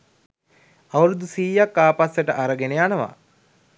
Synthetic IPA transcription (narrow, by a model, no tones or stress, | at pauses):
aʋɾud̪usiːjakːaːpasəʈəʔaɾəɡeneanəʋa̰